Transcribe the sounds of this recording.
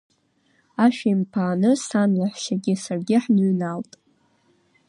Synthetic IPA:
aʃᶣaimpʰaːnɨsanlaħʷʃaɡʲɪsarɡʲɪħnɨɥnaltʼ

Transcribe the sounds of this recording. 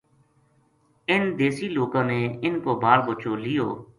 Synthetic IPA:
ɪnd̪eːsiːloːkãːneːɪnkoːbaːlbot͡ʃoːlɪjo̰ː

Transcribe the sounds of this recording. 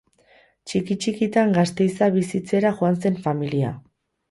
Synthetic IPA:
t͡ʃikit͡ʃikit̪aŋɡast̪e̞jsaβ̞isit͡se̞ɾaxoanse̞ɱfamilia̰

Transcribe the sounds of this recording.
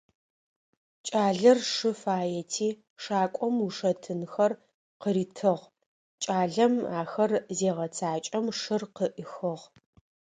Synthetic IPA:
t͡ʃʼaːɮɐrʂɨfaːjɛtʰiː | ʂaːkʷʼɔmuʂɐtʰɨnxɐr | qəɾiːtʰɨʁ | t͡ʃʼaːɮɐmaːxɐrzeːʁɐt͡sʰaːt͡ʃʼɐmʂɨrqəʔɨxɨʁ

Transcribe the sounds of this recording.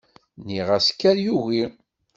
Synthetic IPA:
niʁæskːæɾjuʝi

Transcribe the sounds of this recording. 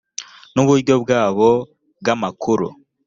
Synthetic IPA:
nuβuɾɟo̞bɡaːβo | bɡamakʰuɾṵ

